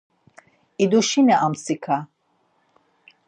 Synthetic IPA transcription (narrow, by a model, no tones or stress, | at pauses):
id̪uʃinɛʔamsikʰa